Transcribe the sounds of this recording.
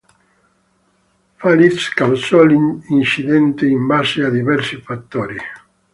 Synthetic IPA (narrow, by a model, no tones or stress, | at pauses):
falit̪skawsɔliint͡ʃiðɛnt̪eimbasead̪iβɛɾsifat̪ːoɾi